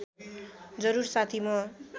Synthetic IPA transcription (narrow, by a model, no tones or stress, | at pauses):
d͡zʌɾursat̪ʰimʌ